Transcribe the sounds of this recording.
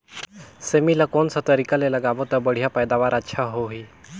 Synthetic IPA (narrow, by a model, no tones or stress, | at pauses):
semilakonsat̪əɾikaleləɡabot̪əbəɽ̤ijapəjd̪aʋaɾətːʃʰaɦoɦiː